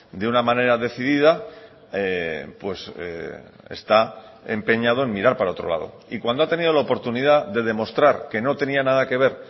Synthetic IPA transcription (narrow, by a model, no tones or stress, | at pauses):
d̪eunamãne̞ɾaðe̞θiðiða | epwe̞sḛ | ḛst̪a | empe̞ɲað̞oe̞nmːiɾaɾpaɾao̞t̪ɾo̞la̰ðo̞̰ | ikwand̪oat̪e̞nið̞o̞laopo̞ɾt̪uniðaðe̞ð̞e̞mo̞st̪ɾaɾke̞no̞t̪e̞nianað̞ake̞β̞e̞ɾ